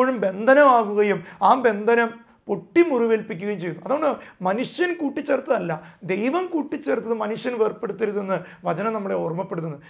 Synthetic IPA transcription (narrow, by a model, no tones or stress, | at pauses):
oːɻumbe̞nd̪ʱɐnɐmaːɣuɣɐjumaːbe̞nd̪ʱɐnɐm | puʈːimuriʋeːlpikʲːuɣɐjumt͡ɕejːunuɐðuɣoɳɖɨmɐnuʂjɐnkuːʈːit͡ɕːert̪ːɐðɐlːɐd̪e̞jʋɐmkuːʈːit͡ɕːert̪ːɐðɨmɐnuʂjɐnʋeːrpːe̞ɽut̪ːeɾuðenːɨ | ʋɐt͡ɕɐnɐmnɐmːɐɭeormːɐpːe̞ɽut̪ːunːɨ